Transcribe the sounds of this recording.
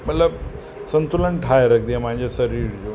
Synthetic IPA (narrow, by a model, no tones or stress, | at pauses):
mət̪ləb̚ | sɐ̃nt̪ulənʈʰaːjɾɐkʰd̪iãpãɦɪ̃ɲd͡ʑesɐɾiːɾd͡ʑoː